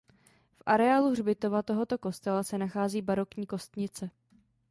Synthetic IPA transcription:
fʔaɾɛaːlurbɪt̪o̞vat̪o̞ɦo̞t̪o̞ko̞st̪ɛlasɛnaxaːziːbaɾo̞kɲiːko̞st̪ɲɪt͡sɛ

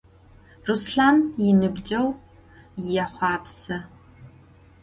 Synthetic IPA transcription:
rusɬaːnjɪnɨbd͡ʒɐw | jɛχʷɑːpsɐ

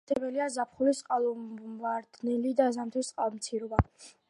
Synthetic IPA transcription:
t̪ʰɛbɛliazapʰχulisʼqʼalˠɔvaɾd̪̥nɛlid̪azamt̪ʰist̪ʼqʼalˠɔmt̪sʰiɾɔba

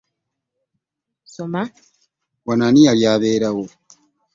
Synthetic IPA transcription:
soma | wananialjaːβeːɾawo

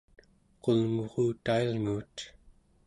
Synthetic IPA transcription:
qolŋoʁuːt̪ailŋuːt̪

